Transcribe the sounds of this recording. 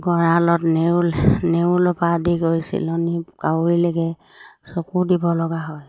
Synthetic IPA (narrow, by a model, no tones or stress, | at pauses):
ɡɔɹalɔtnenewlɔpadiɡoɹjsḭlɔnikaɹileɡɛ | sɔkudibɔlɔɡaɦɔj